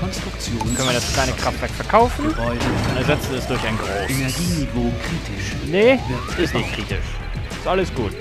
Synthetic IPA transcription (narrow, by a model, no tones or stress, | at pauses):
kʰɔnstʁ̥ʊkt͡sjoːœnviɐdat͡suːkʰlaɪnəkʁ̥aftv̥ɛɐkfɛɐkʰaʊfn̩ɪʊndɐnzɛt͡sn̩vidɛsd̥ʊɐçaɪnɡʁoːɡiɡokʁ̥iːtʰɪʃ | nə | ɪstnɪçt̚kʁ̥iːtɪ̰ʃ | ɪstʔaləsɡ̥uːt